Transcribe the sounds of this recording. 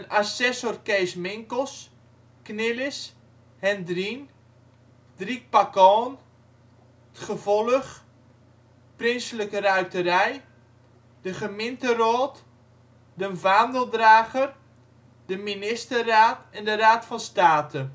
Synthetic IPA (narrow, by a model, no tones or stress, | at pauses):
ənasɛsorkeːsmɪŋkəlˠs | knɪlɪs | hɛndrin | drik̚pakɔːn | ətχəvɔləχ | prɪnsələkərœɥtəɾɛj | dəχəmɪntərɔːt | dənvaːndəlˠdraːɣər | d̥əminɪstəraːtɛndəraːtfɑnstaːtʰə